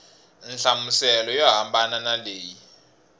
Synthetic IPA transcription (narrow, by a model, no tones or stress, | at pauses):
nɬamusɛlɔjɔɦambananaleːji